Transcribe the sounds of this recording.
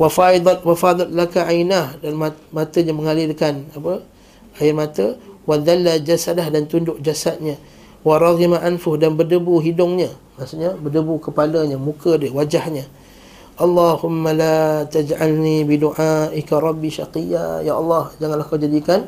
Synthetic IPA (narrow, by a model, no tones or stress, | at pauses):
wafaid̪ˤɑt̪̚wafad̪ˤɑt̪̚lakaʔajnahdanmamat̪əɲaməŋalɪlkanapə | ajɪrmat̪əwad̪alːad͡ʒasadahdant̪undʊʔ̚d͡ʒasat̪̚ɲa | waɾˤɑɣimaʔanfʊsdanbərdəbuɦidʊŋɲa | masuʔɲabədəbukəpaləɲamũkədəwad͡ʒahɲã | ʔɑlˤːɑhʊmːalat̪ad͡ʒʕalnibiduʔaʔɪkaɾˤɑbːiʃa̰qija̰jaʔɑlˤːɑhd͡ʒaŋanlahkawd͡ʒadikan